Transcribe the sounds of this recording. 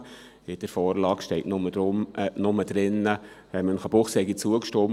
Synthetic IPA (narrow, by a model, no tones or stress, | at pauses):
ɪd̥əɾfɔːɾlɑːkʃtɛɪtnʊməd̥ɾʊmnʊməd̥ɾɪnːəɛmənχəb̥ʊχshɛɪɡit͡suəkʃtom